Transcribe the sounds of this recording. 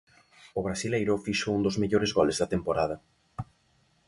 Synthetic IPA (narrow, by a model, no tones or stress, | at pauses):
ʊβɾasilejɾʊfiʃound̪ozmeʎoɾezɣɔlezðɐt̪empoɾað̞ɐ